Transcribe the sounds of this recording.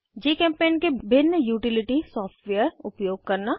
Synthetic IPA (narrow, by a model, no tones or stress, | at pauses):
d͡ʒeːkɛ̃ːmpeːnkebʱɪnːəjuːʈɪlɪʈisɔːpʈʋeəɾʊpjoːɡ̚kəɾna